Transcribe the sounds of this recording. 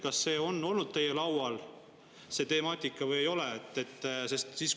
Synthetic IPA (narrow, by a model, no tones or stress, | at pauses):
kɑsːe̞ːo̞nːo̞lnud̪̥̚t̪e̞jːelɑwɑl | se̞t̪e̞mɑːt̪ʲːˑikːˑɑvɤjejo̞leet̪ːˑet̪ːˑse̞st̪siːs